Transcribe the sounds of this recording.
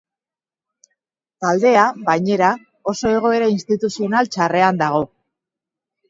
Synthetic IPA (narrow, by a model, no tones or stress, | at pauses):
t̪ald̪e̞aβajɲe̞ɾa | o̞so̞e̞ɣ̞o̞e̞ɾainst̪it̪usio̞nalt͡ʃare̞and̪aɣ̞o̞